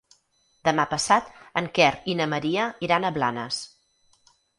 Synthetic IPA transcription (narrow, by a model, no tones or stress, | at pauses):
d̪əmapəsat̪əŋkɛrinəməɾiəiɾanəβla̰nə̰s